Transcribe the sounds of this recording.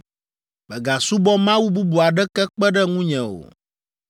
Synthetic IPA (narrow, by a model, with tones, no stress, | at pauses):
bɛ˨ɡa˨su˦bɔ˦mã˦wu˦bu˦bu˨a˨ɖɛ˦kɛ˦k͡pɛ˦ɖɛ˦ŋũ˦ɲɛ̃˨o̰˨